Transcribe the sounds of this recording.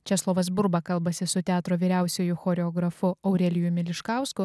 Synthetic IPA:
t͡ʃʲɛslˠoːʋɐs̬bʊɾbɐkɐlˠbɐsʲɪsʊt̪ʲæːt̪ɾoːʋʲiːɾʲæˑʊsʲɛjʊxoːɾʲɛoːɡɾɐfʊɐʊɾʲɛlʲɪjʊmʲɪlʲɪʃkɑˑʊskʊ

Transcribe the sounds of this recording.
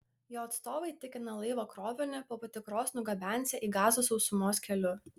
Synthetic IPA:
joːɐt̪st̪oːʋɐɪt̪ʲɪkʲɪnɐlˠɐɪʋoːkɾoːʋʲɪnʲɪpoːpɐt̪ʲɪkɾoːsnʊɡɐbʲænʲsʲɛʔiːɡɑːzoːsɔʊsʊmoːskʲɛlʲʊ

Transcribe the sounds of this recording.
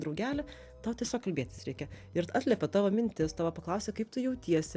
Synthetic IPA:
d̪ɾɐʊɡʲæːlʲɛ | t̪ɑːʋot̪ʲiɛsʲoːkɐlʲbʲeːt̪ʲɪ̥sɾʲɛɪkʲɛ | ɪɾɑːt̪ʲlʲɛpʲɛt̪ɑːʋoːmʲɪnʲt̪ʲɪst̪ɑːʋɐpɐklˠɐʊsʲekɐɪp̚t̪ʊjɛʊt̪ʲiɛsʲɪ

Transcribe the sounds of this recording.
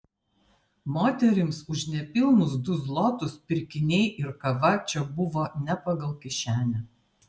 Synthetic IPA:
moːt̪ʲɛɾʲɪmsʊʃnʲɛpʲɪlˠnʊsd̪ʊzlˠɔt̪ʊspʲɪɾʲkʲɪnʲɛɪʔɪɾkɐʋɐt͡ʃʲɛbʊʋoːnʲɛpɐɡɐlˠkʲɪʃʲæːnʲɛ

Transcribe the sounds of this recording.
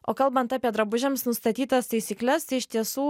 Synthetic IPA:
ʔoːkɐlˠbɐnt̪ɑːpʲiɛd̪ɾɐbʊʒʲɛmsnʊst̪ɐt̪ʲiːt̪ɐst̪ɐɪsʲiːklʲɛst̪ɐɪɪʃt̪ʲiɛsuː

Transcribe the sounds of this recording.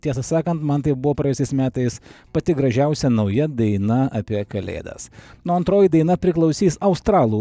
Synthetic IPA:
t̪ʲiɛsɐsɑːkɐnt̪mɐnt̪ɐɪp̚bʊʋoːpɾɐjɛsʲɛɪsmʲæːt̪ɐɪspɐt̪ʲɪɡɾɐʒʲɛʊsʲɛnɐʊjɛd̪ɐɪnɐɐpʲiɛkɐlʲḛːd̪ɐ̰snoɐnt̪ɾoːjid̪ɐɪnɐpʲɾʲɪklˠɒʊsʲiːsɐʊst̪ɾɑːlˠuː

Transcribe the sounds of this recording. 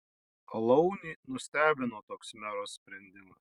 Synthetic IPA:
ɐlˠɒʊnʲiːnʊsʲt̪ʲæːbʲɪnoːt̪oːksmʲæɾoːsʲsʲpʲɾʲɛnʲd̪ʲɪmɐs

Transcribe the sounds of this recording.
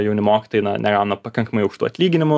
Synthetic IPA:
jɛʊnʲɪmoːkʲɪt̪oːjɪnɐ̰nʲʔɛɡɑʊnɐpɐkɐŋkɐmɐɪʊʃt̪ṵːɐt̪ʲlʲiːɡʲɪnʲɪmʊ

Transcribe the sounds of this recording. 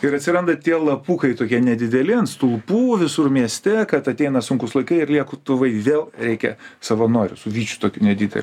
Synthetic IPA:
ɪɾɐtʲsʲɪɾɐnd̪ɐt̪ʲiɛlˠɐpuːkɐɪt̪oːkʲiɛnʲɛd̪ʲɪd̪ʲɛlʲɪɐnst̪ʊlˠpuːʋʲɪsʊɾmʲiɛsʲt̪ʲɛkɐt̪ɐt̪ʲɛɪnɐsʊŋkʊslˠɐɪkɐɪɪɾlʲiɛkʊt̪ʊʋɐɪʋʲeːlˠɾʲɛɪkʲɛ̰sɐʋɐnoːɾʲʊsʊʋʲiːt͡ʃʲʊ̥t̪oːkʲuːnʲɛd̪ʲid̪ʲɛ̰lʲ

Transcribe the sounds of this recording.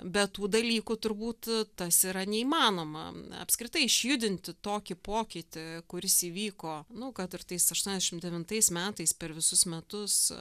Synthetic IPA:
bʲɛtt̪uːd̪ɐlʲiːkut̪ʊɾbuːt̪t̪ɐsiːɾɐnʲɛimɑːnoːmɐ̰ɐ̰pskɾʲɪt̪ɐɪɪʃʲjʊd̪ʲɪnʲt̪ʲɪt̪oːkʲɪpoːkʲɪt̪ʲɪkʊɾʲɪsiːʋʲiːkoːnʊkɐt̪ɪrt̪ɐɪsɐʃt̪uɔnʲɛzd̪ʲɛʃʲɪmd̪ʲɛʋʲɪnt̪ɐɪsmʲæːt̪ɐɪspʲɛɾʋʲɪsʊsmʲɛt̪ʊs

